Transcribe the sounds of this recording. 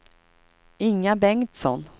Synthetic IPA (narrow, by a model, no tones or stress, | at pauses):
ɪŋːabɛŋt̪sɔ̰n